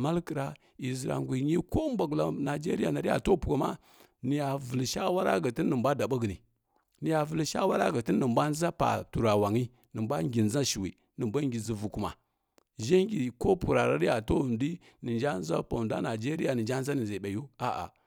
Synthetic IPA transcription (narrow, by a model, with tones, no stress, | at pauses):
ma˦lkə˨ɾa˨ | i˨zi˨ɾa̰˨ŋɡʷi˨ɲi˦ko˦mba˨ɡla˨na˨d͡ʒe˦ɾi˦ja˨na˨ɾi˦ja̰˨to˦˨pu˨ka˨ma̰˦ | ni˨ja˨vu˨lʃa˦wa˦ɾa̰˦ɡə˨ti˦nː˦ə˨mbʷa˦da˨ɓa˦ɡə˨nḭ˨ | ni˨ja˨və˨lʃa˦wa˦ɾa̰˦ɡə˨ti˦nː˦ə˨mbʷa˦n˦za˦pa̰˨tu˨ɾa˨wa˨ŋi˦ | nə˨mbʷa˦ŋɡʲi˨nza˦ʃi˨wḭ˨ | nə˨mbʷa˦ŋɡʲi˨zi˨vu˨ku˦ma̰˨ | ʒe˦ŋɡʲi˨ko˦pu˨ɾa˨ɾa˦ɾi˦ja˨to˦˨ndi˦ | nə˨nd͡ʒa˦n˦za̰˦pa˨da̰˦na˨d͡ʒe˦ɾi˦ja˨nə˨nd͡ʒa˦n˦za˦nə˨nza˨ɓa˨ju˦a˨ʔa̰˨